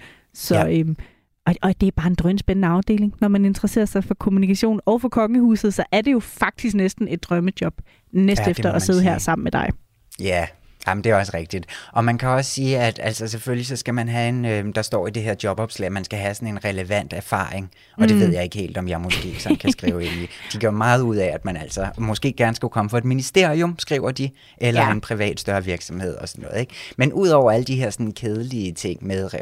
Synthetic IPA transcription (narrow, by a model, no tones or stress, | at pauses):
sɒ̽øm | ɒɒd̥e̝æɐb̥ɑ̈ːe̝nd̥ʁœnəsb̥enənəɑ̈ʊd̥e̝̰ːle̝ŋnɒmæne̝nd̥ʁɐse̝̰ːɐsɑ̈ɪfɒ̽kʰo̝munikʰæɕo̝̰ːnɒʊfɒ̽kʰɒ̽ŋəhṵːsð̞̩ˠsɒ̽ʔæɐd̥e̝jo̝fɑ̈ɡ̥̚d̥is̬ɡ̥nesd̥n̩e̝d̥̚ːʁɶməd̥jɒ̽b̥ | nesd̥efd̥ɐʔɒ̽se̝ððˠɦæɐ̰sɑ̈m̰n̩med̥ɑ̈ɪ | jæ | æmn̩d̥e̝æɐɒ̽səʁɛɡ̥̚d̥id̥ʔɒ̽mænkʰæɒ̽ssiːæd̥æl̰sɒseføllisɒ̽sɡ̥æmænɦæe̝nød̥ɑ̈sd̥ɒ̰ːid̥eɦeɐ̰d̥jɒ̽b̥ɒ̽b̥slɛ̰ɪ̰mænsɡ̥æɦæsɒ̽ne̝nʁɛləʋæn̰d̥æɐfɑ̰̈ːʁeŋ | ɒd̥e̝ʋe̝ð̞̰ˠjɑ̈e̝ɡ̥əhe̝̰ːld̥ɒ̽mjɑ̈ɪmɒsɡ̥e̝̰ːɡ̥sɒ̽n̩kʰæsɡ̥ʁiːʊe̝nid̥iɡ̥ɶɐ̰mɑ̈ːð̩ˠuð̰ˠɛæd̥mænæl̰sɒmɒ̽sɡ̥e̝̰ːɡ̥æɐnəsɡ̥ukʰɒ̽məfɒ̽e̝d̥minisd̥e̝ɐ̰iomsɡ̥ʁiʊɐd̥i | ʔelɐe̝npʰʁiʋɛ̰ːd̥sd̥ɶɐʋiɐɡ̥sɒ̽mhe̝ð̞̰ˠɒ̽sɒ̽nːɔ̽ːð̩ˠe̝ɡ̥menʔuð̞̰ˠɒʊ̰ɐæləd̥iɦe̝ɐ̰sɒ̽nn̩kʰeːð̞ˠəliət͡sʰe̝ŋ̰meðˠ